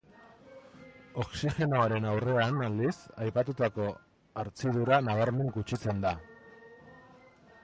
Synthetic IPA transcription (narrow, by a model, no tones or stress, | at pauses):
o̞ksixe̞no̞aɾe̞nawre̞anald̪isajpat̪ut̪ako̞ | aɾt͡siðuɾanaβ̞aɾme̞ŋɡut͡ʃit͡se̞nd̪a